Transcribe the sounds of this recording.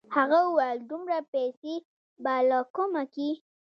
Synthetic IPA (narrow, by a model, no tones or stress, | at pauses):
haɣauwajld̪umɾapɛse | balɑkomaki